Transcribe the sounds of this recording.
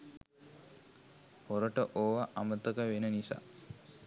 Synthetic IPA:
hoɾəʈəʔoʋaʔamət̪əkəʋenənisa̰ː

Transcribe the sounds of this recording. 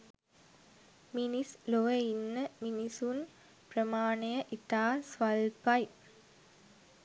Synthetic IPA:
minisloʋɐinːəminisun | prəmaːɳejəʔit̪aːsʋɐlpɐj

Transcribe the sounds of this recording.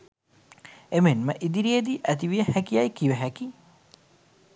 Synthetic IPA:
emenməʔid̪iɾied̪iʔæt̪̬iʋijəhækiajkiʋəɦæki

